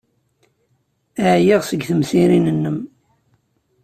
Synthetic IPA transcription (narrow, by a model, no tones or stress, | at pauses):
əʕjiʁsəɡθəmθiɾinənːəm